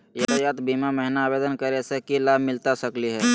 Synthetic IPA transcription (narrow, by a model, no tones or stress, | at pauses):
jɐd̪jaːt̪biːmamɛɦɪnaːbeːd̪ənkəɾesekilaːbʱmɪlt̪asɐkliɦɛː